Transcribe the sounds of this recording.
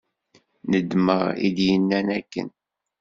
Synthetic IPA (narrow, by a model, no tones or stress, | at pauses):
nəd̪məʁḭðjənːænækːə̰n